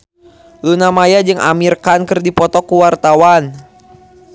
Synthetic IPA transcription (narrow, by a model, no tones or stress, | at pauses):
lunamajad͡ʒɨŋʔa̰mirkankɨrdipɔt̪ɔkuwart̪awan